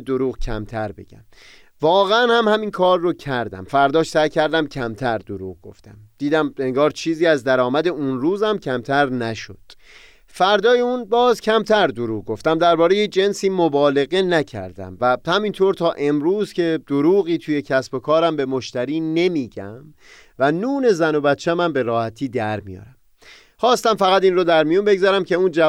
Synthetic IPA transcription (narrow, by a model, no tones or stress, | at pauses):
d̪oɾuːɣcʰæ̰mt̪ʰæɾbḛɟæ̰m | vɒːɣeænhæmhæminkʰɒːrːocʰæɾd̪æ̰mfæɾd̪ɒːʃsæjcʰæɾd̪æmcʰæmt̪ʰæɾd̪oɾuːɣɡo̞̰ft̪æmd̪̥iːd̪æme̞ŋɡɒːɾt͡ʃʰiːziːæzd̪æɾɒːmæd̪e̞unɾuːzæmcʰæmt̪ʰæɾnæʃod̪̥ | fæɾd̪ɒːjeuːnbɒːzcʲʰæmt̪ʰæɾd̪oɾuːɣ̚ɡo̞ft̪æmd̪æɾbɒːɾe̞jed͡ʒe̞nsiːmobɒːle̞ɣe̞næcʰæ̰ɾd̪æ̰mvæhæmint̪ʰoːɾt̪ʰɒːʔe̞mɾuːzcʲʰe̞d̪̥oɾuːɣiːt̪ʰuːje̞cʰæsb̥o̞kʰɒːɾæmbe̞mo̞ʃt̪æɾiːne̞miːɟæm | vænuːne̞zæno̞bæt̪t͡ʃʰːæmæmbe̞ɾɒːhæt̪ʰiːd̪æɾmḭjɒ̰ːɾæm | χɒːst̪æmfæɣæt̪iːnrod̪æɾmijunbe̞ɡzɒɾæmcʰe̞uːnd͡ʒæ